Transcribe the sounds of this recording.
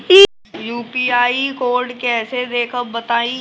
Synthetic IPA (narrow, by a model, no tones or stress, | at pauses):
iː | juːpiːaːikoːɾɖkɛːsed̪eːkʰəbət̪aːĩ